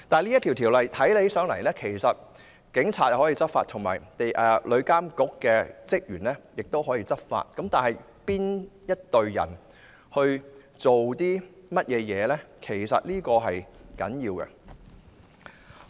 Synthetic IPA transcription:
t̪aː˨˩liː˥ɐ˥t̪ʰi˨˩wt̪ʰiː˨˩wlɐ˨jt̪ʰɐ˨˥jle˨˥jsœː˨˥ŋlɐ˨˩jlɛː˥kʰe˨˩jsɐ˨t̚ | kɪ˨˥ŋt͡sʰaː˧t̚jɐ˨whɔː˨˥iː˧t͡sɐ˥t̚fa̰˧t̪ʰʊ˨˩ŋma̰ː˨˩jt̪e˨jʔɛː˨˧lʔɵ˨˧ɥkaː˥mkʊ˨˥kːɛː˧t͡sɪ˥k̚jyː˨˩nlɛː˥jɪ˨k̚t̪o˥wɦɔː˨˥jiː˧t͡sɐ˥t̚fa̰ː˧t̚kɐ˨˥mt̪aː˨nhɐ˨j | piː˥njɐ˥t̚t̪ɵ˨˧ɥjɐ̰˨˩n | hɵ˧ɥ | t͡so˨wt̪iː˥mɐ˥t̚jɛː˨˧jɛː˨˧lɛː˥kʰe˨˩jsɐ̰˨t̚liː˥kɔː˧ɦɐ˨jkɐ̰˨˥njiː˧wkɛ̰˧

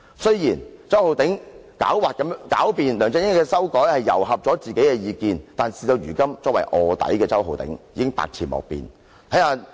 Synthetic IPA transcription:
sɵ˥ɥjiː˨˩nt͡sɐ˥who˨˧wt̪ɪ˨˥ŋkaː˨˥wwaː˨t̚kːɐ˨˥mjŋkaː˨˥wpiː˨nlœː˨ŋt͡sɛ˧ŋ˥kːɛː˧sɐ˥wkɔː˨˥jhɐ˨jːɐ̰˨˩wɦɐ˨p̚t͡ʃɔː˨˥t͡siː˨ke˨˥jkɛː˧jiː˧kiː˨nt̪aː˨nsiː˨˧t̪o˧wjyː˨˩kɐ˥mt͡sɔː˧˥kwɐ˨˩jʔɔː˨˧t̪ɐ̰˨˥jkɛː˧t͡sɐ˥wɦo˨˧wt̪ɪ̰˨˥ŋjiː˨˧kɪ˥ŋpa̰ː˧k̚t͡sʰiː˨˩nmɔ̰ː˨k̚pḭː˨˧n | t̪ʰɐ˨˥jhaː˧

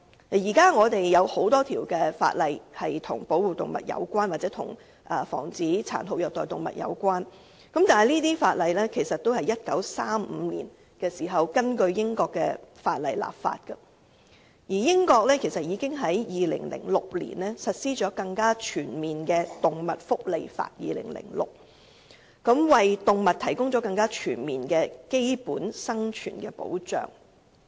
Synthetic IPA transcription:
jiː˨˩kaː˥ŋɔː˨˧t̪e˨jːɐ˨˧who˨˥wt̪ɔː˥t̪ʰiː˨˩wkɛː˧fa̰ː˧t̚lɐ˨jhɐ˨jt̪ʰʊ˨˩ŋpo˨˥wuː˨˧t̪ʊ˨ŋmɐ̰˨t̚jɐ̰˨˧wkʷwaː˥nwaː˨t͡sɛː˨˥t̪ʰʊ̰˨˩ŋ | ʔɐ˨fɔ̰ː˨˩ŋt͡siː˨˥t͡sʰa̰ː˨˩nt̪o˨˧w̚jœː˨˩t̪ɔː˨jt̪ʊ˨˩ŋmɐ̰˨t̚jɐ̰˨˧wkʷwaː˥n | kɐ˨˥mt̪aː˨˩n˨jliː˥t̪iː˥fa̰ː˧t̚lɐ˨jlɛː˥kʰe˨˩jsɐ˨t̪o˥whɐ˨˩jɐ˥t̚kɐ˨˥wsaː˥m̩˨˧lḭː˨˩n | kɛː˧siː˨˩ɦɐ˨wkɐ˥nkɵ˧ɥjɪ˥ŋkɔː˧kːɛː˧faː˧t̚lɐ˨jla̰ː˨˩p̚fa̰ː˧t̚kɐ˧ | jiː˨˩jɪ˥ŋkɔː˧k̚lɛː˥kʰe˨˩jsɐ˨t̚jiː˨˧kɪ˥ŋɦɐ˨˥jjiː˨˧lɪ̰˨˩ŋlɪ̰˨˩ŋlʊ˨k̚lḭː˨˩nlɛː˥sɐ˨t̚siː˥t͡ʃɔː˨˥kɐ˧ŋkaː˥t͡ʃʰyː˨˩nmiː˨nkɛː˧t̪ʊ˨ŋmɐ˨t̚fʊ˥k̚le˨jfa̰ː˧t̚jḭː˨lɪ̰˨˩ŋlɪ̰˨˩ŋlʊ̰˨k̚ | kɐ˨˥mwɐ˨jt̪ʊ˨ŋmɐ˨t̚t̪ʰɐ˨˩jkʊ˥ŋt͡ʃɔː˨˥kɐ˧ŋkaː˥t͡ʃʰyː˨˩nmiː˨nkɛː˧ke˥jpuː˨˥nsɐ˥ŋt͡ʃʰyː˨˩nkɛː˧po̰˨˥wt͡ʃœ̰ː˨˩ŋ

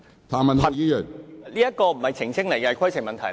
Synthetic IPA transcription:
t̪ʰaː˨˩mɐ˨nt̪ʰjiː˨˥jœ˨˩nliː˥jɐ˥t̚kɔː˧m̩˨˩hɐ˨˧jt͡ɕʰɪ˨˩ŋt͡sʰɪ˥ŋ̚lɐ˨˩˦jkaː˧kʰɔ˥jsʰɪ˨˩mɐ˨˧nt̪ʰɐ˨˩

